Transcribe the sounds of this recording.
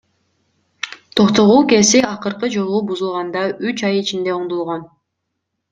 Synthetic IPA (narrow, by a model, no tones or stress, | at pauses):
t̪ʰo̞qt̪o̞ʁuːke̞siɑqɯɾqɯd͡ʒolˠubuzulˠʁɑnd̪ɑyt͡ʃɑjit͡ʃind̪e̞oɴd̪olˠʁon